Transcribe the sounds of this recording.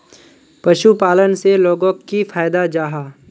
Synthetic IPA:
pɐʃupaːlənseloːɡõːkːifʰaːjd̪ad͡ʒaːɦaː

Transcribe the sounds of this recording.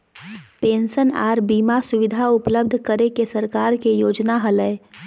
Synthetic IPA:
peːnsəna̰ːɾbiːmasʊʋɪd̪ʱaʊpləbd̪ʱkəɾekesəɾkaːɾkejoːd͡ʒnaɦələe

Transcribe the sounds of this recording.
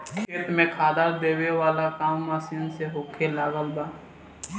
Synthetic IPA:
kʰeːt̪mẽkʰaːd̪aɾd̪eːweʋaːlakaːmːaːsiːnseɦoːkʰelaːɡəlbaː

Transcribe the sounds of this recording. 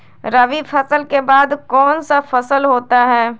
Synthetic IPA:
ɾəʋifʰɐsəlkebaːd̪kɔːnsafɐsəlɦoːt̪aɦɛː

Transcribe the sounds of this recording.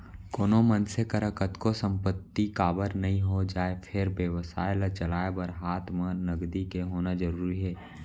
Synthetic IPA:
koːnomənsekəɾəkət̪kosə̃mpət̪ːikaːbəɾnɐɦĩɦod͡ʒaːepʰɪɾbjeʋəsa̰ːlat͡ʃəlaːebəɾɦaːt̪ʰmənəɡd̪ikeɦoːnad͡ʒəɾuːɾiɦɛː

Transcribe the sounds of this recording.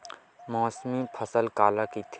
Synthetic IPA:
mɔːsmipʰəsəlkaːlakit̪ʰ

